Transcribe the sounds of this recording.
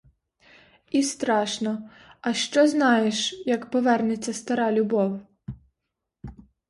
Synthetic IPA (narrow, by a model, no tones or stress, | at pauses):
ist̪ɾɑʃnɔ | ɐʃt͡ʃɔznɑjeʃjɐkpɔʋɛrnet͡sʲːɐst̪ɐɾɑlʲʊbɔw